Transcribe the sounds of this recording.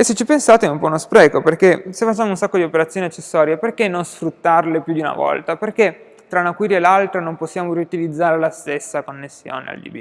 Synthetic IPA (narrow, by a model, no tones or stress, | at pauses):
eset͡ʃːipensaːt̪eɛumpɔunospɾɛːkoperkesefːat͡ʃːaːmounsakːod̪iopeɾat̪sːjoːniat͡ʃːesːɔːɾjeperkenːonsfɾut̪ːarlepjud̪iuna̰vɔ̰lt̪aperke | t̪ːɾaunakwiːɾjaelalt̪ɾanomposːjaːmoɾiut̪ilid̪zːaːɾelast̪esːakonːesːjo̰ːnḛa̰ld͡ʒḭbḭ